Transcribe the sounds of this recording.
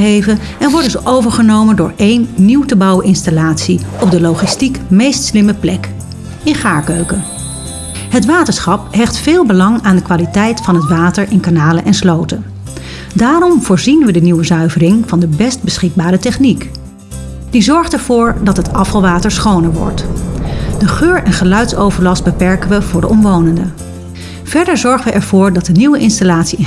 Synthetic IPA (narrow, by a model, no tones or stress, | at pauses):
ɦejvən | ɛnʋɔɹdəzʔowvəɹχənowməndʊːɹejnːiwtəbɑwəʔɪnstalaːtsiɔb̚dəlowχɪstikmejstslɪməplɛk | ɪnχaːɹkøɥkən | ɦətʋaːtəɹsχɑp̚ɦɛχtfɪːlˠbəlɑŋaːndəkʋaːlitɛjtfɑnɦətʋaːtəɹɪnkanaːlənʔɛnslowtən | daːɾɔmv̥ʊːɹzinʋədəniwəzœɥvərɪŋvɑndəbɛsd̚bəsχɪɡ̚baːɾətɛχnik | dizɔɹχtɛɹv̥ʊːɹdɑtɦətɑfəlˠʋaːtəɹsχownəɹʋɔ̰ɹt | d̥əχøːɹʔɛnχəlœɥtsowvəɹlɑst̚bəpɛɹkəʋəvʊːɹdəʔɔmʋownəndə | v̥ɛɹdəɹzɔɹχəʋəʔɛɹvʊːɹdɑt̚dəniwəʔɪnstalaːtsi